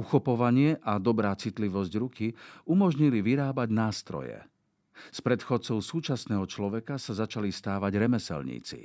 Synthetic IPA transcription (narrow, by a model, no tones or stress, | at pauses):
uxɔpɔʋaɲɪɛʔad̪ɔbɾaːt͡sit̪liʋɔzɟɾukiumɔʒɲiliʋiɾaːbaɟnaːst̪ɾɔ̰jɛ̰ | spɾɛt̪xɔt͡sɔʊsuːt͡ʃasnɛːɦɔt͡ʃlɔʋɛkasazat͡ʃalist̪aːʋaɟɾɛmɛsɛ̰lɲḭːt͡sḭ